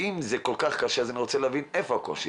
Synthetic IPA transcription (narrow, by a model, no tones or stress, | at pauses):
imzekolkaχkaʃeazaniʁot͡seleavinefoako̰ʃi